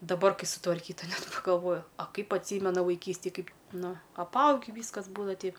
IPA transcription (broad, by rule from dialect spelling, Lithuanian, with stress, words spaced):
dɐˈbɐr ˈkɐɪ sʊtʋɐrʲˈkʲiːtɐ ˈnʲɛt pɐɡɐlˠˈʋoːjʊ ɐ ˈkɐɪp ɐtʲˈsʲiːmʲɛnɐ ʋɐɪˈkʲiːsʲtʲeːj ˈkɐɪp ˈnʊ ɐpˈɐʊɡʲɪ ˈʋʲiːskɐs ˈbuːdɐʋɐ tʲɛɪ